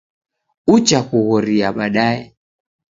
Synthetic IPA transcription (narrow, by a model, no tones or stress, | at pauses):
ut͡ʃakuɣɔɾiaɓaɗaɛ